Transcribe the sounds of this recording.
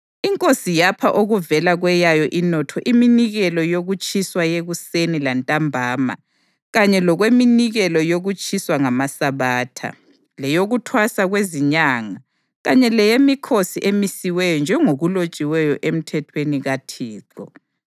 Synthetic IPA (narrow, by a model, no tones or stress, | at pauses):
iŋkʼosijapʰaʔoɣuvɛlaɣwɛjajɔʔinɔtʰɔʔiminiɣɛlɔjoɣut͡ʃʼiswajeɣusenilantʼambʱaːma̰ | ɣaɲɛlɔɣweminiɣɛlɔjoɣut͡ʃʼiswaŋamasaβaːtʰa̰ | lɛjoɣutʰwasaɣweziɲaŋa | ɣaɲɛlɛjemikʰosiʔemisiwɛjɔnd͡ʒʱɛŋoɣulot͡ʃʼiwɛjɔʔem̩tʰɛtʰweniɣatʰiːǁɔ